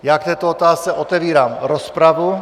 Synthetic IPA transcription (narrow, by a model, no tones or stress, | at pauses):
jaːk̚t̪ɛːt̪oot̪aːst͡sɛʔot̪ɛviːɾaːmɾospɾavu